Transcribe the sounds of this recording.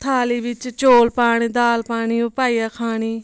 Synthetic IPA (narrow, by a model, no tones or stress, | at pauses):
t̪ʰaːliːbɪt͡ʃt͡ʃoːlpaːɽ̃iːd̪aːlpaːɳ̃iːoːpaːiːjaːkʰaːɽiː